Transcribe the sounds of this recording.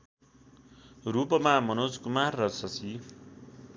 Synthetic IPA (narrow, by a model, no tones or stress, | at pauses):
ɾupʌmamʌnod͡zkumarːʌsʌsi